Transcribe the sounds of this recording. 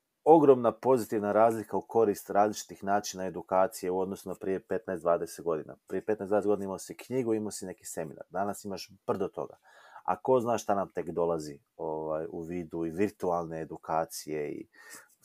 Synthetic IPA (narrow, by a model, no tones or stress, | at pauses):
o̞ɡɾo̞mnapo̞zit̪iʋnaɾaːzlikauko̞ɾist̪ɾaːzlit͡ʃi̥t̪ixnaːt͡ʃinae̞d̪ukaːt̪sije̞uo̞d̪nosunapɾije̞pe̞t̪naesd̪ʋaːd̪e̞set̪ɡo̞d̪ina̰pɾijepet̪nasd̪adet̪ɡodinaimaosikɲiːɡuimasine̞ki̥se̞mina̰ɾd̪anasimaʃb̥r̩d̪ot̪o̞̰ɡa̰ | a̰ko̞znaːʃʃt̪anamt̪e̞kd̪o̞lˠazi | oʋajṵʋiːd̪uiʋiɾt̪ualˠne̞ːd̪ukaːt̪sije̞ḭ